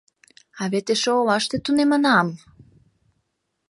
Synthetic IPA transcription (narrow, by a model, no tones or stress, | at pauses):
ɑβet̪eʃoolɑʃt̪et̪unemə̆nɑm